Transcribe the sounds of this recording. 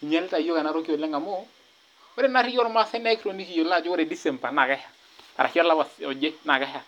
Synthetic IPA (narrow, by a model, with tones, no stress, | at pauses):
i˨ɲɛ˦lta˨jo˦ka˨na˦ɾo˦ki˦o˨lɛ˦ŋa˨mo˦ | o˦ɾe˦na˦ɾi˦jɔ˦ɾma˦sɛ˦nɛ˦kɾo˨ni˦ki˨jo˨la˦˨d͡ʒo˦o˦ɾe˨di˦sɛ˨mpa˨na˨ka˦ha˨ | pa̰˨ɾa˨ki˦a˦la˦wa˨sɔ˨d͡ʒe˦na˨ka˦ha˨